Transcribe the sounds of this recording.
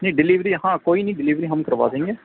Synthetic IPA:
nĩːɖɪliːʋɾiːhãːkoːiːnəĩːɖɪliːʋɾiːɦəmkəɾʋa̰ːsẽːŋɡeː

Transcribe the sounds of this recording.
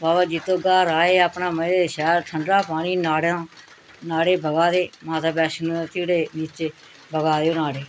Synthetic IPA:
baːbaːd͡ʒɪt̪õːɡaːɾaːeːaːpnaːmədeːʃɛːɾʈʰəɳɽaːpaːɳiːnaːɽãː | naːɽeːbəɡaːd̪eːmaːt̪aːbɛːʃnũːt̪ɪːɽeːniːt͡ʃeː | bəɡaːd̪eːõːnaːɽeː

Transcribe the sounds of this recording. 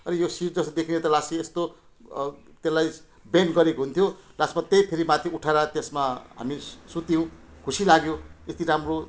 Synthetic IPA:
ʌnijosiʈ̚d͡zʌst̪ʌd̪ekʰinet̪ʌlasiest̪o | t̪elaj | benɡʌɾekoɦunt̪ʰjolasmat̪ejpʰeɾimat̪ʰiuʈʰaɾat̪esmaɦa̰misut̪j̃w̃kʰusilaɡjoest̪iɾamro

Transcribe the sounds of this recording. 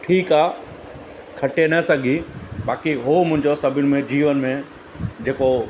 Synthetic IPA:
ʈʰiːkaː | kʰɐʈenɐsɐɡʱibaːkiɦomʊ̃ɦɪ̃ɲd͡ʑosɐbʱɪñɪ̆mẽd͡ʑiːʋənɪmẽ | d͡ʑeːko

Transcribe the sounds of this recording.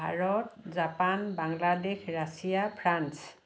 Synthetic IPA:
a̰ɹɔt̚zapanbaŋladexɹasijapʰɹans

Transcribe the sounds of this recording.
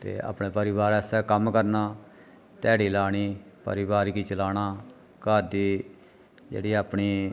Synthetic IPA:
t̪ḛːa̰ːpɳẽːpəɾɪʋaːɾɛːsɛːkəmkəɾnaː | t̪ɛːɽiːlaːɽ̃iːpə̰ɾɪʋaːɾɡiːt͡ʃəlaːñaː | kaːd̪iː | d͡ʒḛːɽiːaːpɳiː

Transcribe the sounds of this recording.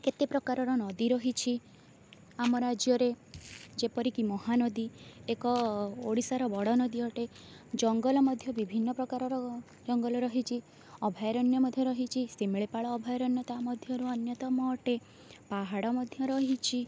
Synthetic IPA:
ket̪epɾɔkaɾɔɾɔnɔd̪iɾɔɦit͡ʃʰi | amɔɾad͡ʒjɔɾed͡ʒepɔɾikimɔɦanɔd̪iekɔoɽisaɾɔbɔɽɔnɔd̪iɔʈe | d͡ʒɔŋɡɔlɔmɔd̪ʱjɔbibʱinːɔpɾɔkaɾɔɾɔ | d͡ʒɔŋɡɔlɔɾɔɦit͡ʃʰi | ɔbʱajɾɔnjɔmɔd̪ʱjɔɾɔɦit͡ʃʰisimiɭepaɭɔːbʱajɔɾɔnjɔt̪amɔd̪ʱjɔɾuɔnjɔt̪ɔmɔːʈe | paɦaɽɔmɔd̪ʱjɔɾɔɦit͡ʃʰi

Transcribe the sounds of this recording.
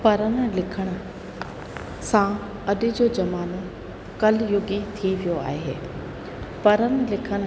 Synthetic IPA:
pɐɾənəlɪkʰəɽ̃̆ | sã | ɐɗɪd͡ʑoːd͡ʑɐmaːno | kɐljʊɡit̪ʰiʋijoa̰ːɦḛː | pɐɾənlɪkʰəɽ̃

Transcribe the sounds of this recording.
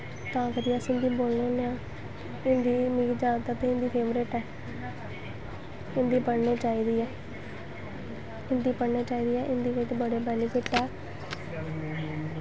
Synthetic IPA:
t̪ãːkəɾiːəsɪ̃nd̪iːboːlnoːneãː | ɪnd̪iːmiːkd͡ʒãːnt̪aːt̪ẽɪ̃nd̪iːpʰeːʋəɾeːʈɛː | ɪnd̪iːpəɽneːt͡ʃaːiːd̪iːɛː | ɪnd̪iːpəɽneːt͡ʃaːiːd̪iːɛːʔɪnd̪iːʋɪt͡ʃbəɽeːbɛːliːkɪʈːɛː

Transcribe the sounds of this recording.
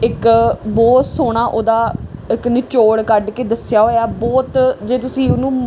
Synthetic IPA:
ɪkbɔːt̪soːɽ̃aːʔoːd̪aːɪknɪt͡ʃoːɽkəɖkeːd̪əsɪjaːɦoːjaːbɔːt̪d͡ʒeːt̪ʊsĩːʊnũː

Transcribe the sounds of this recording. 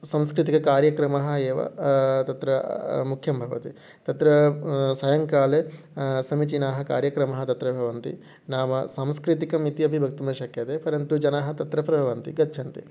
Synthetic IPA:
sɐmskɾit̪ikɐkaːɾjɐkɾɐmɐɦɐeːʋɐ̰t̪ɐt̪ɾɐmukʰjɐmbʱɐʋɐ̰t̪i | t̪ɐt̪ɾɐsɐjɐŋkaːle | sɐmit͡ʃinaːɦɐ̆ka̰ːɾjɐkɾɐmɐɦɐt̪ɐt̪ɾɐbʱɐʋɐnt̪ḭ | naːmɐsamskɾit̪ikɐmit̪iɐbʱibʱɐk̚t̪umɐʃɐkjɐt̪epɐɾjɐnt̪ud͡ʒɐnaːɦɐ̆t̪ɐt̪ɾɐpɾɐbʱɐʋɐnt̪ḭɡɐtːt͡ʃʰɐnt̪ḭ

